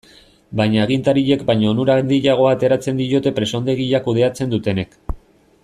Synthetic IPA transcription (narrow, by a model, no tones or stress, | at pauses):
bajɲaːɣ̞int̪aɾiʎe̞kbajɲaonuɾand̪iʎaɣ̞o̞aːt̪e̞ɾat͡se̞nd̪ijot̪e̞pɾe̞so̞nd̪e̞ɣiʎakuð̞e̞at͡se̞nd̪ut̪e̞ne̞k